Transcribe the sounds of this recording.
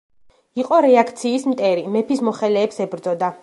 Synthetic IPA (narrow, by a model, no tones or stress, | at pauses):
iqʼɔɾɛakʰt̪sʰiːsmt̪ʼɛɾimɛpʰismɔχɛlɛːpsɛbɾd̪zɔd̪a